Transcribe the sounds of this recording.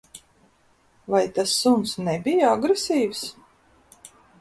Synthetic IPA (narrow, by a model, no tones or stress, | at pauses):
vajt̪asːunsnɛbijaaɡɾesiːvs